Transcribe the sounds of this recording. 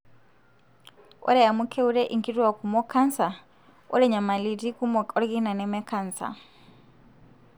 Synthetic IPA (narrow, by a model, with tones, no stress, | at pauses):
ɔ̰˦lɛ˦a˨mu˦kʰe˦u˦ɺɛ˦ʔi˦ŋ˨ki˦tʼu˦wa˨ku˨mɔ˦kʰa˦n̩˦sa˨ | ʊ̰˦lɛ˦ɲa˨ma˨li˨ti˦ku˦mɔ˨ɔ˦ɾi˦ki˦na˨nɛ˦mɛ˦kʰa˦n̩˨sa̰˨